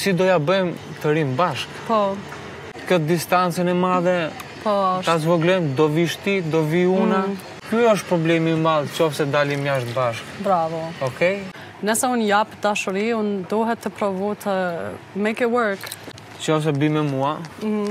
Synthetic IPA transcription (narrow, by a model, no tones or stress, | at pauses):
sid̪ɔjabɛmt̪əɾimbaʃkpɔ | kət̪̚d̪ist̪ant͡sɛnɛmaðɛpɔʃt̪azvɔɡlɔmd̪ɔviʃt̪id̪ɔviuna | kyɔʃ̬t̪̚pɾɔblɛmimalˠt͡ʃɔfsɛd̪alimjaʃt̪̚baʃkbɾavɔɔkɛj | nəsɛunjapd̪aʃəɾiund̪ɔɦɛt̪ːəpɾɔvɔt̪ʰəmejkɛwəɾk | t͡ʃɔfs̬ɛbimɛmuah̩